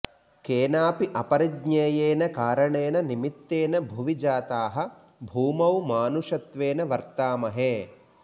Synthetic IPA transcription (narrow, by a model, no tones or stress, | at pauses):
keːnaːpiʔɐpɐɾiɡɲeːjeːnɐkaːɾɐɳeːnɐnimit̪ːeːnɐbʱuʋid͡ʒaːt̪aːɦɐ̆ | bʱuːmɐwmaːnuʂɐt̪ʋeːnɐʋɐɾt̪aːmɐɦeː